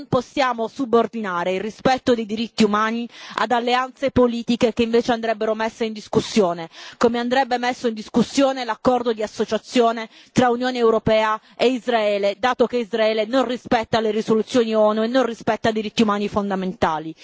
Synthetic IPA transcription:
mposːjaːmosubord̪inaːɾeilrispɛt̪ːod̪ejd̪iɾit̪ːiumaːnia̰d̪alːeant̪sepoliːt̪ikekeiɱveːt͡ʃeand̪ɾɛbːeɾomesːeind̪iskusːjoːnekomeand̪ɾɛbːemesːoind̪iskusːjoːnelakːɔrd̪od̪iasːot͡ʃat̪sːjoːne | t̪ɾaunjoːneːwɾopɛːa | eizɾaɛːled̪aːt̪okeizraɛːlenonrispɛt̪ːaleɾisolut̪sːjoːniɔnuenːonrispɛt̪ːad̪iɾit̪ːiumaːnifond̪ament̪aːli

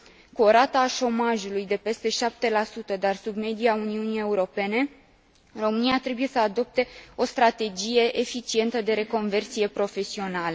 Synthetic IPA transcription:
kuo̞ɾat̪aːʃo̞maʒulujd̪e̞pe̞st̪e̞ʃap̚t̪e̞lasut̪əd̪arsubme̞d̪iauniunije̞uɾo̞pe̞ne̞ | ro̞mɨniat̪ɾe̞buje̞səad̪o̞p̚t̪e̞o̞st̪ɾat̪e̞d͡ʒije̞ʔefit͡ʃie̞nt̪əd̪e̞ɾe̞ko̞nve̞rt̪sije̞pɾo̞fe̞sio̞nalə

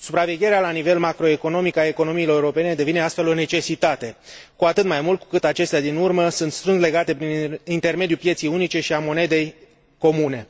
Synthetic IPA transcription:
supɾave̞ɡʲje̞ɾealanive̞lmakɾo̞e̞ko̞no̞mikae̞ko̞no̞miːloɾewɾo̞pe̞ne̞d̪e̞vine̞ast̪fe̞lo̞ne̞t͡ʃe̞sit̪at̪e̞kuat̪ɨt̪majmult̪ku̥kɨt̪at͡ʃe̞st̪ead̪inurməsunt̪st̪ɾɨndle̞ɡat̪e̞pɾinint̪e̞rme̞d̪jupje̞t̪sijunit͡ʃe̞ʃiamo̞ne̞d̪e̞j | ko̞mune̞

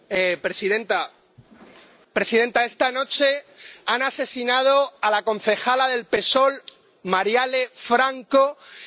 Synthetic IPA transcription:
epɾesiðent̪a | pɾe̞sið̞e̞nt̪ae̞st̪ano̞t͡ʃe̞anase̞sinað̞o̞alako̞n̟θe̞xalaðe̞lpe̞so̞l | maɾjale̞fɾaŋko̞

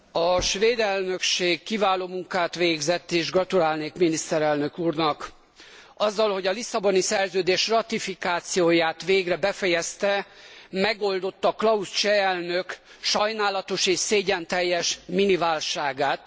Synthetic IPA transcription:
ɒʃʋeːd̪ɛlnø̞kʃeːkːivaːloːmuŋkaːt̪ʋeːɡzɛt̪ːeːʒɡrɒt̪ulaːlneːkminist̪ɛɾɛlnø̞kuːrnɒk | ɒzːɒlho̞ɟɒlisːɒbonisɛrzøːd̪eːʃrɒt̪ifikaːt̪sijoːjaːt̪ʋeːɡrɛbɛfɛjɛst̪ɛmɛɡo̞ld̪o̞t̪ːɒklɒust͡ʃɛɛlnøk | ʃɒjnaːlɒt̪o̞ʃeːʃseːɟɛnt̪ɛjːɛʃminivaːlʃaːɡaːt̪̚

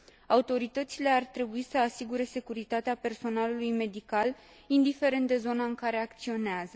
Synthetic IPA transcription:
aut̪o̞ɾit̪ət̪sile̞art̪ɾe̞buisəasiɡuɾe̞se̞kuɾit̪at̪eape̞rso̞nalulujme̞d̪ikal | ind̪ife̞ɾe̞nt̪̚d̪e̞zo̞naɨŋkaɾe̞ak̚t̪sio̞neazə

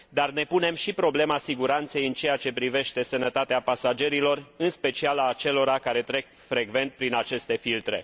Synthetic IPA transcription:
d̪arne̞pune̞mʃipɾo̞ble̞masiɡuɾant̪se̞jɨnt͡ʃe̞jat͡ʃe̞pɾive̞ʃt̪e̞sənət̪at̪eapasad͡ʒe̞ɾilo̞rɨnspe̞t͡ʃialaːt͡ʃe̞lo̞ɾakaɾe̞t̪ɾe̞k̚ | fɾe̞ɡve̞nt̪̚pɾinat͡ʃe̞st̪e̞filt̪ɾe̞̰

